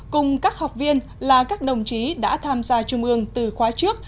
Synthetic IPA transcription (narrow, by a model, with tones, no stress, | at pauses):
kʊ˨˩ŋ͡mkaː˦˥k̚ha˨˩wk͡p̚vi˧ən | laː˨˩kaː˦˥k̚ɗə˨˩wŋ͡mt͡ɕi˨˦ɗa̰ː˧˥t̪ʰaː˧mzaː˧t͡ɕʊ˧ŋ͡mʔɨ˧əŋt̪ɨ˨˩xwaː˨˦t͡ɕɨ˦˥ək̚